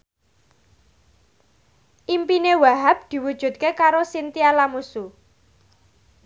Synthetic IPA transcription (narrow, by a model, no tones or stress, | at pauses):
ʔimpinewaɦap̚d̪̥i̤wud̥ʒ̥ṳt̪̚kekaɾosint̪ialamusu